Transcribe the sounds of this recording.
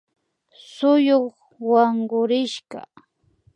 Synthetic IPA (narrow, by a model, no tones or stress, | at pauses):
sʊjoχ | waɴɢʊɾɪʃɢa̰